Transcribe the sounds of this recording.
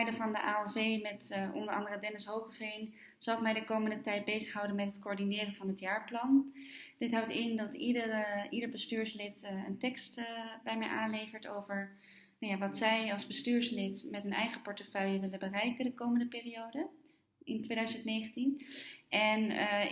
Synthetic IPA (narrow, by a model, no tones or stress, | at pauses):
ɛjdəvɑndəʔaːɛlˠvejmɛtɔ̰ndəɹɑ̰ndərədɛnɪsɦowχəvejn | z̥ɑwɪkmɛjdəkowməndətɛjt̚bejzəχɦɑwdənmɛtɦətkoːɹdinɪːrənvɑnɦətjaːɹplɑnd̥ɪtɦɑwtɪndɑtidəidəɹbəstyːɹslɪtə̰ntɛkstbɛjmɛjʔaːnlejvəɹtowvəɹ | nawjaʋɑtsɛjɑlˠzbəstyːɹslɪtmɛtənɛjχəpɔɹtəfœɥjəʋɪlənbərɛjkəndəkowməndəpɪːriowdə | ɪntʋejdœɥzəntnejχəntinʔɛn